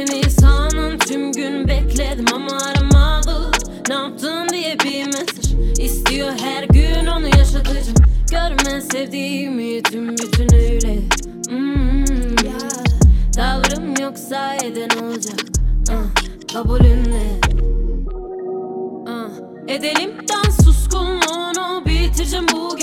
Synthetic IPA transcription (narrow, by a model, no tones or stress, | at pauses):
ininsanɯnt̪ʰymɟynbɛclʲɛt̪mamaaɾmalˠɯ | naap̚t̪ʰɯnd̪ijɛbimɛzɾist̪ijoɦæɾɟyno̞nujaʃat̪ʰɯd͡ʒɯmɟøɾmɛsevd̪iːmijyt̪ʰymbyt̪ʰynøjlɛ | ɯ | d̪̥avɾɯmjoksae̞d̪ɛno̞lˠd͡ʒaka | kʰabulʲynd̪ɛ | a | ed̪e̞lʲimt̪ænsuskulˠmonubilt̪ʰɯd͡ʒɯmbu